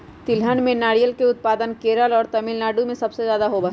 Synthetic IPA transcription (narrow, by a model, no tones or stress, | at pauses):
t̪ɪlɦənmẽnaːɾijəlkeʊt̪̚paːd̪ənkeːɾəlɔːɾt̪ɐmɪlnaːɖumẽsɐbsezjaːd̪aɦobə